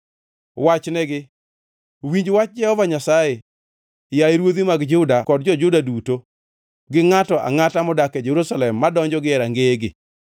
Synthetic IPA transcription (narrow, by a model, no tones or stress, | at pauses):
wat͡ʃnɛɡɪ | wiɲd͡ʒwat͡ʃ̚d͡ʒɛhɔvaɲasaje | jaiɾwod̪imaɡd͡ʒʊdakɔd̚d͡ʒɔd͡ʒʊdaduto | ɡɪŋatɔʔa̰ŋatamɔdakɛd͡ʒeɾusalɛmːadɔɲd͡ʒɔɡɪɛɾaŋɡeɡɪ̰